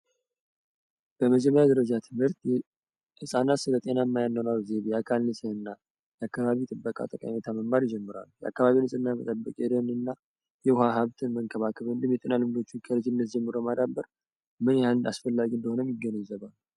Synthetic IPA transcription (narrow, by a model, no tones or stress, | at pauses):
b̥əməd͡ʒɛmːəɾjad̪əɾəd͡ʒat̪ʰɨmhɨɾt̪j | hɨsʼanat̪sɨlət̪ʼe̞namːajanːəwnalzeβjɛakʰalnɨsʼəɨnːa | jɛakːaβaβit̪ʼɨbːəkʼa̰t̪ʼəkʼa̰met̪ʰaməmːaɾjd͡ʒɛmːɨɾa̰lːujɛa̰kːaβaβinɨsʼɨnːamət̪ʼəbːəkʼed̪ənɨnːa | jɛwʊhaɦaβt̪ʰɨnməŋkʰəβakʰəβɨnd̪ɨmjɛt̪ʼinalɨmd̪o̞t͡ʃːɪnkʰəɾəd͡ʒɪnːət̪̚d͡ʒɛmːɨɾomad̪abːəɾ | mɨnjalɨnda̰sfəlːaɡiɨnd̪əho̞nəmjɪɡːənəzːəβalː